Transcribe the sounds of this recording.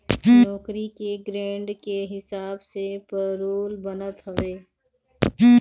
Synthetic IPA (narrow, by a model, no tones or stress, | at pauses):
ɔːkɾikeɡɾẽːɳɖkeɦɪsaːbsepəɾoːlbənət̪ɦɐʋeː